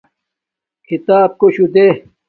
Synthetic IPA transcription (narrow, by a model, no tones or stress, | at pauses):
kʰit̪aːb̚koɕud̪e